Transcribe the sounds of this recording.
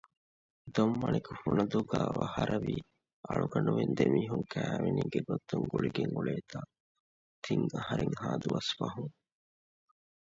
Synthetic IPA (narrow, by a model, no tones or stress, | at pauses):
d̪omːɐnikufunɐd̪uɡæːʋɐhɐɾʔɐʋiː | ʔɐɭuɡɐnuʋend̪emiːɦuŋkæːʋeniːɡeɡot̪ːuŋɡuɭiɡeŋuɭeːt̪aː | t̪ʰiŋɐhɐɾeŋhaːd̪uʋɐsfɐɦuŋ